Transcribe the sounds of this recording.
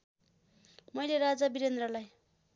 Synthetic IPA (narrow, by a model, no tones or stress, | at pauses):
mʌjleɾad͡zabiɾend̪rʌlaj